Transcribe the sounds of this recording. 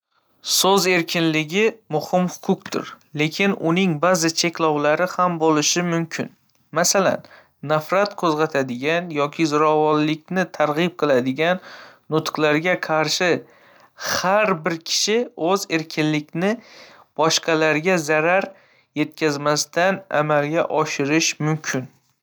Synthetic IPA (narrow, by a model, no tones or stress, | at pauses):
sɵze̞ɾkʲʰɪnlɪɡʲɪmʊhɪmhʊ̥qʰʊq̚t̪ʰʊ̰ɾ | le̞kʲʰɪnʔʊnɪŋbazɪt͡ʃʰe̞kʲlɒwlaɾɪhambolɪʃɪmʊmkʲʰɪ̰n | masala̰nː | afɾat̪kʰɵzʁɑt̪ʰad̪ɪɡʲanjɒkʲʰɪzʊɾɒvɒnlɪk̚ʲnɪt̪ʰaɾʁɨp̚qʰɨlˠad̪ɪɡʲanː | ʊt̪qlˠaɾɡʲaqʰɑɾʃɪ | haɾbɪɾkʲʰɪ̥ʃɪɵze̞ɾkʲʰɪnlɪkʲnɪ | b̥ɒʃqʰɑlaɾɡʲazaɾaɾ | je̞t̪̚kʲʰazmast̪ana̰malɡʲaʔɒʃɪɾɪʃmʊmkʲʰɪn